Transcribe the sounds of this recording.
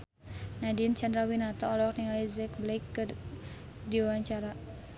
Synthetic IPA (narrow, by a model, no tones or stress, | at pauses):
nadint͡ʃandɾawinat̪ɔːlɔk̚niŋalizɛkblaikːɨr | diwaɲt͡ʃaɾa